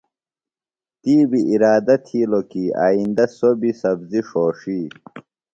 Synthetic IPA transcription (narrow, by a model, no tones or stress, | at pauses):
t̪iːbiʔiɾaːd̪ɐt̪ʰiːlokia̰ːind̪ɐsobisɐbziʂoːʂiː